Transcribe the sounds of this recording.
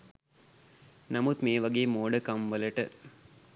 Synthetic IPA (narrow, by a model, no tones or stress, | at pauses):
nɐmut̪meːʋɐɡeːmoːɖəkɐmʋɐlɐʈə